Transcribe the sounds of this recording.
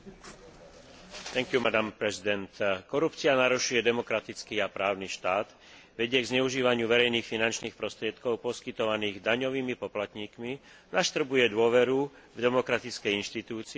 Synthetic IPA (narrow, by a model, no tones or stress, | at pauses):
t̪ɛŋkjumad̪ampɾɛzid̪ɛnt̪kɔɾupt͡sianaɾuʃujɛd̪ɛmɔkɾat̪it͡skiːapɾaːʊniʃt̪aːd̪ | ʋɛɟɪɛɡzɲɛuʒiːʋaɲɪuʋɛɾɛjniːxfinant͡ʃniːxpɾɔst̪ɾɪɛt̪kɔʊpɔskit̪ɔʋaniːɣd̪aɲɔʋiːmipɔplat̪ɲiːkmi | naʃt̪r̩bujɛd̪ʊɔʋɛɾuvd̪ɛmɔkɾat̪it͡skɛjinʃt̪it̪uːt͡si